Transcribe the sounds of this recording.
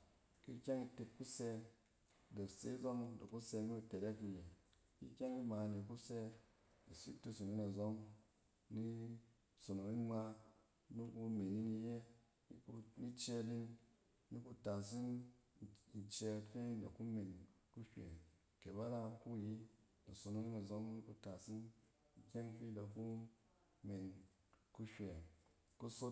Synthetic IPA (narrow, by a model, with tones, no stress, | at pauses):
ki˦kʲa˦ŋi˧te˧tku˦se˧ | do˨kse˨˦i˦zo˦ŋdo̰˨kːu˦se˧ni˦u˧te˨ɾe˦ki˧je˨ | kḭ˦kʲa˦ŋi˦ma˨ne˨ku˦se˧ | i˨sḭ˦tu˦su˨ni˦na˨zo˦ŋ | ni˦ | so˨no˨i˦ma˧ | nu˦ku˧me˨ni˦ni˧je˦ | i˦ku˧ni˦t͡ʃe˧li˦n | nu˦ku˧ta˨s̬i˦n˨ | i˨t͡ʃe˧˨fe˦i˦da̰˨ku˦me˨nku˦ʃʲʷḛ˨ | ke˨ba˦la˦ku˦˨ji˦ | na˨so˨no˦ni˦na˨zo˦ŋni˦ku˦ta˨si˦n̩˨ | kʲe˦ŋfi˦da˨ku˦ | me˨n | ku˦ʃʲʷe˨ | ku˦so˦